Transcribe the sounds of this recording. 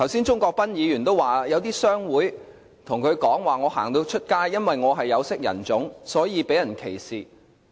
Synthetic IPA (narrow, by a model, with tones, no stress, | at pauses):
t̪ʰɐ˨˩wsiː˥nt͡ʃʊ˥ŋkɔː˧k̚pɐ˥njiː˨˧jyː˨˩nt̪o˥waː˨jɐ˨˧wt̪iː˥sœː˥ŋwuː˨˥j | t̪ʰʊ˨˩ŋkʰɵ˨˧ɥkɔː˨˥ŋwaː˨˩ŋɔː˨˧ha̰ː˨˩ŋt̪o˧wt͡ʃʰɵ˥t̚kaː˥jːɐ˥nwɐ˨jŋɔː˨˧ɦɐ˨jːɐ˨˧wsɪ˥k̚jɐ̰˨˩nt͡sʊ˨˥ŋsɔː˨˥jiː˨˧pe˨˥jɐ˨˩nkʰe˨˩jsiː˨